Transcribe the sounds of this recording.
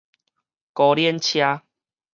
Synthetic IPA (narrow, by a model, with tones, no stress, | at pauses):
kɔ˧ljɛ˥˦nt͡ɕʰja˦